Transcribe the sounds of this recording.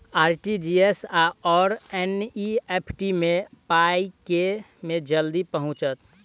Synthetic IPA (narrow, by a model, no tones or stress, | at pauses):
aːɾʈid͡ʒiesaɔːɾɛniepʰʈimẽpaike | med͡ʒəld̪ipəɦʊ̃t͡ʃət̪